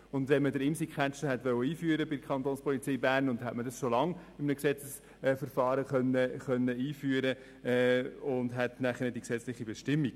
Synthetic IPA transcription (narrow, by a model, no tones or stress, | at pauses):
ʊndvɛnmədəɾɪmsikχænt͡ʃəhɛtʋœwəiːfyəɾəbɪdkʰχɑnt̪oːnspɔlit͡siːbæːɾnʊndhɛtmədɑsʃolɑŋɪmənəksɛt͡səs | fəɾfɑːɾəχœnːəχœnːəiːfyːəɾə | ʊndɦɛtnæχənɛdiksɛt͡slɪχibɛʃtɪmːiɡ